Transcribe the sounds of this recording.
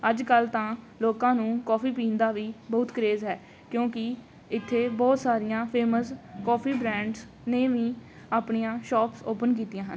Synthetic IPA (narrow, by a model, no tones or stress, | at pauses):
əd͡ʒkəlt̪ãː | loːkãːnũːkɔːpʰiːpiːnd̪aːʋiːbəːt̪kəɾeːzɦɛː | kjõːkɪ | ɪt̪ʰːeːbɔːt̪saːɾɪjãːpʰeːməskɔːpʰiːbɾɛ̃ːɳɖs | neːʋĩː | aːpɳijãːʃɔːpsoːpənkiːt̪ijãːɦən